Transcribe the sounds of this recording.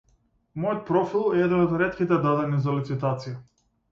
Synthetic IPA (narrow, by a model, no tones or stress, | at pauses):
mɔjɔt̪̚pɾɔfilˠɛɛd̪ɛnɔd̪ɾɛt̪kʲit̪ɛd̪ad̪ɛnizalit̪sit̪at̪sija